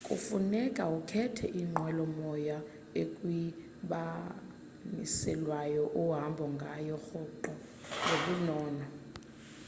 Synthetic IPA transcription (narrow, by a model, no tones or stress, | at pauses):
kʼṵfunɛkʼaukʰɛtʰɛ̰ʔiŋ͡ǃwɛlɔmɔja | ekʼwi | ɓa | nḭsɛlwajɔʔuɦambʱɔŋɡʱajɔxɔǃɔ | ŋʱoɓunɔːnɔ